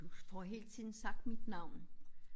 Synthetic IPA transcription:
ufɒɦe̝̰ːl̥t͡sʰið̰ˠn̩sɑ̈ɡ̥̚d̥mid̥nɑ̈ʊ̰n

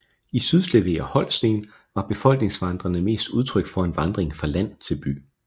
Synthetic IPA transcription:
isyðˠsleʋe̝̰ːæhɒ̽l̰sd̥e̝̰ːn | ʋɑ̈b̥e̝fɒ̽l̰ɡ̥ne̝ŋsʋɑ̈nd̥ʁɐnəme̝̰ːsd̥uð̞ˠt͡sʰʁœɡ̥fɒ̽e̝nʋɑ̈nd̥ʁeŋfʁɑ̈læn̰ˠt͡sʰe̝lb̥y̰ː

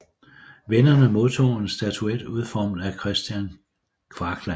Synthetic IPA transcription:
ʋenɐnəmo̝ðˠt͡sʰo̝̰ːe̝nsd̥æt͡sʰued̥uð̞ˠfɒmd̩ækʰʁɛsd̥jæn | kʰʋɑ̈ɡ̥læ

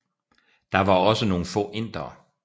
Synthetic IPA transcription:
d̥ɑ̈ʋɑ̈ɒ̽səno̝ːn̩fɔ̰ːʔe̝n̰d̥ʁɐː

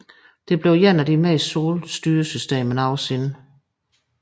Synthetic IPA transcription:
d̥e̝b̥le̝ʊjenæd̥imɛso̝ːlsd̥yːɐsysd̥e̝̰ːmən̩ɑʊsinə

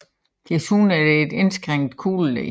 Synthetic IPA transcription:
ɡ̥esuːnæɐdeːd̥ensɡ̥ʁeŋ̰d̥kʰuːlːḛ

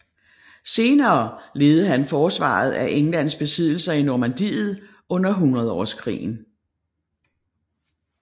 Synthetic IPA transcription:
se̝ːnɐːle̝ːð̩ˠəɦænfɒːsʋɑ̰̈ð̞̩ˠæʔeŋlæn̰sb̥e̝sið̞̰ˠl̩sɐinoːmænd̥ḭːð̩ˠ | ɔ̽n̰ɐɦunʁɐð̞̩ˠɒ̰skʰʁḭːn̩

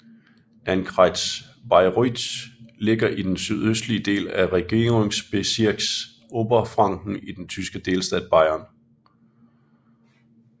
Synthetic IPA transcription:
ʔænɡ̥ʰʁɑɪd̥ | bɑ̈ɪʁydsle̝ɡ̥ɐʔid̥ensyð̞ˠøsd̥liəd̥e̝̰ːlæʁɛɡ̥e̝̰ːʁeŋsb̥e̝siɐ̰ɡ̥s | ʔoːb̥ɐfʁɑ̈ŋ̰ɡ̥n̩id̥ent͡sʰysɡ̥əd̥e̝ːlsd̥ɛ̰ːð̥ˠb̥ɑ̈ɪ̰ɐn

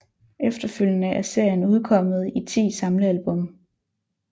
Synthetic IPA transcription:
ʔefd̥ɐføl̰jənəʔæɐse̝ɐ̰jənuð̞ˠkʰɒ̽m̰ð̞̩ˠit͡sʰḭːsɑ̈mləælb̥ɔ̽m

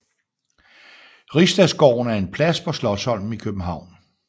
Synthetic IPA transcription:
ʁisd̥æsɡ̥ɒ̰ːʊ̰næɐe̝npʰlæspʰɒ̽slɒ̽shɒ̽l̰m̩ikʰøb̥m̩ɦɑ̈ʊ̰n

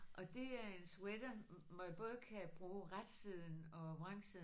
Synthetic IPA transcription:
ʔɒ̽d̥e̝æɐe̝nswed̥ɐmɒjib̥ɔ̽ːð̞ˠkʰæb̥ʁuːʁad̥sið̞ˠn̩ɒ̽ʋʁɑŋ̰siðˠ

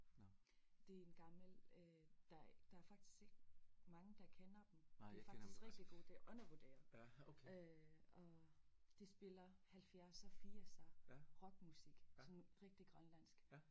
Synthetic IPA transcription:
d̥e̝enɡ̥ɑ̈ml̩ø | d̥ɑ̈d̥ɑ̈æɐfɑ̈ɡ̥̚d̥isɡ̥eɡ̥mɑ̈ŋəd̥ɑ̈kʰenɐd̥m̩eæfɑ̥̈isɡ̥ʁɛɡ̥̚d̥iɡ̥o̝̰ːd̥e̝ʔɔ̽nɐʋod̥e̝̰ːɐ | øɒ̽d̥e̝sb̥e̝lɐhælfjæɐsɒ̽fiːɐsɑʁɒ̽ɡ̥musiɡ̥sɒ̽nʁɛɡ̥̚d̥iɡ̥ʁɶnlæn̰sɡ̥

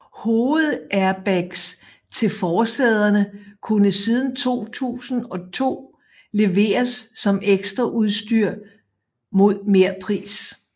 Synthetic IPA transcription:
hoːð̞̩ˠʔæɐb̥æɡ̥s | t͡sʰe̝lfɒːsɛð̞ˠɐnəkʰunəsiːð̞ˠn̩t͡sʰo̝̰ːt͡sʰṵːsn̩ɒ̽t͡sʰo̝̰ː | le̝ʋe̝̰ːɐsːɒ̽meɡ̥sd̥ʁɐʔuð̞ˠsd̥yɐ̰ | mo̝ð̞̰ˠme̝ɐ̰pʰʁḭːs

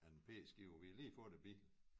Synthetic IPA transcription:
ænpʰe̝̰ːsɡ̥iʊɐʋiliːfɔ̽d̥eb̥i

